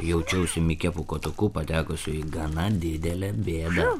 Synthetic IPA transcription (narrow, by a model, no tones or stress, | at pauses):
jɛʊt͡ʃʲɛʊsʲʊmʲɪkʲɛpʊkoːt̪ʊkuːpɐt̪ʲæːkʊsʲʊiɡɐnɐd̪ʲɪd̪ʲɛlʲɛbʲeːd̪ɐ